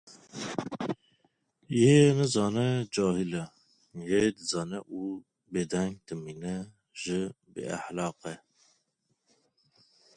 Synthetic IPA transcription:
jenəzɑːnɛd͡ʒɑːhilɛ | jed̪əzɑːnɛʔu | bed̪ɛŋɡ̚d̪̥əminɛ | ʒ̥ɨ | bḛæ̰ħlɑːqɛ

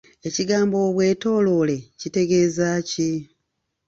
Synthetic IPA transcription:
e̞ciɡaːmbo̞βwe̞ːto̞ːlo̞le̞cite̞ɡe̞ːzaːci

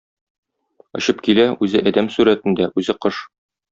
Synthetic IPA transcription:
ŏɕɤp̚kilæʉzɘʔɒd̪æmsʉɾæt̪ɘ̆nd̪æʔʉzɘqɤʃ

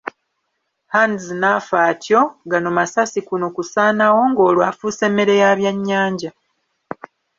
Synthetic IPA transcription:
hanzinafaːtjo̞ɡanomasasikunokusaːnawo̞ŋɡo̞ːlwaːfuse̞ːmːe̞ɾe̞jaβjaɲːaːɲɟa

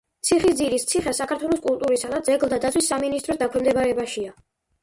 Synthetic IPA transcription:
t̪sʰiχisd̪ziɾist̪sʰiχɛsːakʰaɾt̪ʰwɛlˠɔskʼulˠt̪ʼuɾisad̪at̪sɛɡlˠd̪ad̪at̪sʰwisːaminist̪ʼɾɔsd̪akʰwɛmd̪ɛbaɾɛbaʃia

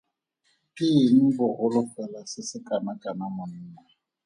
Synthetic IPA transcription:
kʼiŋ̩bʊhʊlʊfɛlasɪsɪkʼanakʼanamʊnɪːna

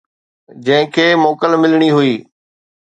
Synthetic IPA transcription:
d͡ʑɐ̃ɦɪ̃kʰeːmoːkəlmɪlɽ̃iɦʊiː

